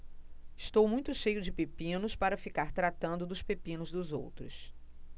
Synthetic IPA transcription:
ɪst̪owmũj̃t̪ʊʃejʊd͡ʒɪpepĩnʊspaɾɐfikaɾt̪ɾat̪ɐ̃nd̪ʊd̪ʊspepĩnʊzd̪ʊzo̰wt̪ɾʊs

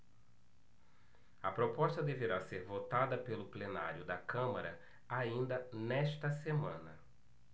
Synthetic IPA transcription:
ɐpɾopɔʃt̪ɐd̪eveɾaseɾvot̪ad̪ɐpelʊplena̰ɾjʊd̪ɐkɐ̃mɐɾɐ | aĩnd̪ɐnɛʃt̪ɐsemɐ̃nɐ

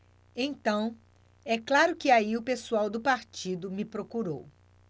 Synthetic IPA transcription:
ẽj̃t̪ɐ̃w̃ | ɛklaɾʊkɪaiʊpesuawd̪ʊpaɾt͡ʃid̪ʊmɪpɾokuɾow

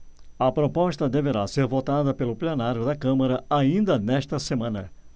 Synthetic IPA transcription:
ɐpɾopɔst̪ɐd̪eveɾaseɾvot̪ad̪ɐpelʊplenaɾjʊd̪ɐkɐ̃mɐɾɐaĩnd̪ɐnɛʃt̪ɐsemɐ̃nɐ̰

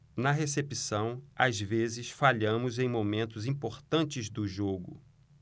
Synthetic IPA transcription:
nɐɦesepisɐ̃w̃azvezɪsfaʎɐ̃mʊzẽj̃momẽnt̪ʊzĩpoɾt̪ɐ̃nt͡ʃɪzd̪ʊʒoɡʊ̰

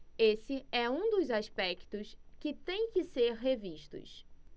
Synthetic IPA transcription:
esɪɛũd̪ʊzaʃpɛkt̪ʊskɪt̪ẽj̃kɪseɾɦeviʃt̪ʊ̰s

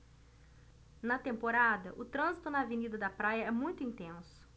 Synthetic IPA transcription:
nɐt̪ẽmpoɾad̪ɐʔʊt̪ɾɐ̃zit̪ʊnɐavenid̪ɐd̪ɐpɾajɐɛmũj̃t̪ʊĩt̪ẽsʊ̥

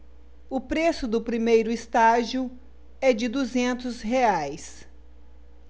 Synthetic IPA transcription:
ʊpɾesʊd̪ʊpɾimejɾʊɪst̪aʒiʊ | ɛd͡ʒɪd̪uzẽnt̪ʊzɦeajs

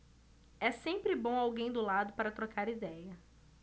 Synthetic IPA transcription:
ɛsẽmpɾɪbõawɡẽj̃d̪ʊlad̪ʊpaɾɐt̪ɾokʰaɾid̪ɛjɐ

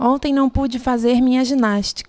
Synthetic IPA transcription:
õnt̪ẽj̃nɐ̃w̃pud͡ʒɪfazeɾmʲĩɲɐʒinaʃt͡ʃi̥k

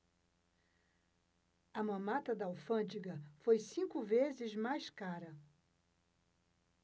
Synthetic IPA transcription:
ɐmɐ̃mat̪ɐd̪ɐawfɐ̃d͡ʒiɡɐfojsĩŋkʊvezɪzmajskaɾɐ

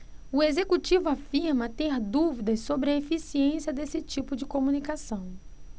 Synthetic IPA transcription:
ʊezekut͡ʃivʊafiɾmɐt̪eɾd̪uvid̪ɐssobɾɪɐefisiẽsiɐd̪esɪt͡ʃipʊd͡ʒɪkomunikasɐ̃w̃

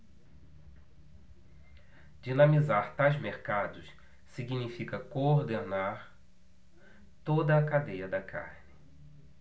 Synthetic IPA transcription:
d͡ʒinɐ̃mizaɾt̪ajzmeɾkad̪ʊs | siɡinifikɐkooɾd̪enaɾ | t̪od̪ɐːkad̪ejɐd̪ɐkʰa̰ɾnɪ

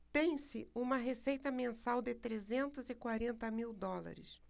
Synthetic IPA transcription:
t̪ẽj̃sɪũmɐɦesejt̪ɐmẽsawd̪ɪt̪ɾezẽnt̪ʊzɪkwaɾẽnt̪ɐmiwd̪ɔla̰ɾɪ̰s

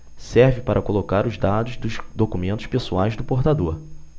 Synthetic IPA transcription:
sɛɾvɪpaɾʔɐkolokaɾʊzd̪ad̪ʊzd̪ʊʃd̪okumẽnt̪ʊ̥ʃpesuajzd̪ʊpoɾt̪ad̪oɾ

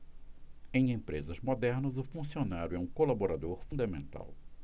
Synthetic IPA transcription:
ẽj̃ẽpɾezɐzmod̪ɛɾnɐzʊfũsionaɾjʊɛũkolaboɾad̪oɾfũd̪ɐmẽnt̪a̰w

